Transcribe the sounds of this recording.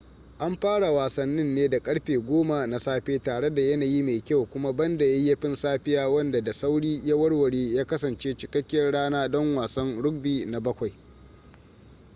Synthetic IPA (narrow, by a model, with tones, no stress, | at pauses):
ʔa˦mɸaː˦ɽa˨waː˨sɐ˦nːɪ˦nːeː˦da˨kʼɐ˦ɽɸeː˨ɡʷoː˦ma˨na˨saː˦ɸeː˦taː˨ɽe˦da˨jɐ˦naː˨ji˦meː˨kʲa˦˨wkʷʊ˦ma˦bɐ˦nda˨jɐ˦jɐ˦ɸɪ˦nsaː˦ɸɪ˦jaː˦wɐ˦nda˨da˨sa˦wɽiː˦ja˦wɐ˦ɽwɐ˨ɽeː˦jaː˦kɐ˦sɐ˨nt͡ʃeː˦t͡ʃɪ˨kɐ˦kʲːɪ˦jɐ˦rɽaː˦naː˦dɔ˦ŋwaː˨sɐ˦nɽʊ˦ɡ̚biː˨na˨bɐ˦kʷa˨j